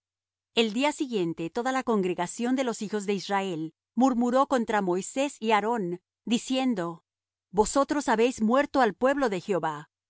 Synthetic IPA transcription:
e̞ld̪iasiɣje̞nt̪e̞t̪o̞ðalako̞ŋɡɾeɣasjo̞nd̪e̞lo̞sixo̞zðe̞izrae̞l | muɾmuɾo̞ko̞nt̪ɾamo̞jse̞siaɾo̞n | d̪isje̞nd̪o̞ | bo̞so̞t̪ɾo̞saβe̞jzmwe̞ɾt̪o̞alpwe̞βlo̞ðe̞xjo̞βa

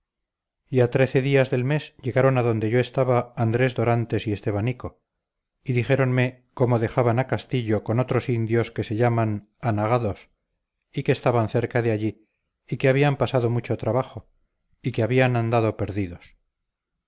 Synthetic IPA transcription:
iat̪ɾe̞θe̞ðiazðe̞lme̞sʎe̞ɣaɾo̞naðond̪e̞ʝo̞est̪aβaːnd̪ɾe̞zðo̞ɾant̪e̞sie̞st̪e̞β̞aniko̞ | iðixe̞ɾo̞nme | ko̞moðe̞xaβanakast̪iʎokono̞t̪ɾo̞sind̪jo̞ske̞se̞ʎaman | anaɣaðo̞s | ike̞ːst̪aβanθe̞ɾkaðeaʎiː | keaβiampasaðo̞mut͡ʃo̞t̪ɾaβaχo̞ | ikeaβianand̪aðo̞pe̞ɾðiðo̞s

